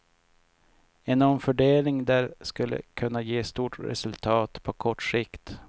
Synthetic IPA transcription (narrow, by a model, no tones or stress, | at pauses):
ɛnɔmfœɖeːlɪŋd̪æːɾskɵlːə̰kʰɵnːajeːst̪uːʈɾɛ̰sɵlt̪ʰɑːt̪pʰɔkʰɔʈʂɪkt̪